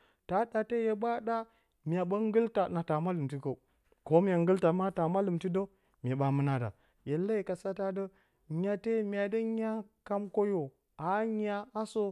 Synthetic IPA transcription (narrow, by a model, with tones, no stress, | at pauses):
ta˨˦ɗa˨te˦je˨ɓa˦ɗa˦ | mʲ˨a˨ɓə˦ŋ˦ɡə˦lta˨na˨ta˨ma˦lɨ˨mti˦ko˨ | ko˦m˦je˨ŋɡɨ˦lta˨ma˦ta˨ma˦lɨ˨mti˦do˦ | mʲ˨e˨ɓa˨mɨ˦na˨da̰˨ | je˨la˦i˨ka˨sa˦ta˦də˦ | ɲ˦a˨te˦mʲ˦a˨də˦ɲ˦a˦ka˦mko˦jo˨ | a˨˦ɲ˦a˦a˦so˦